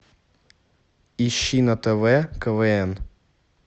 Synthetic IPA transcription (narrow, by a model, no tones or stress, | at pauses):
iɕinɐt̪ɛvɛkəvɛɛn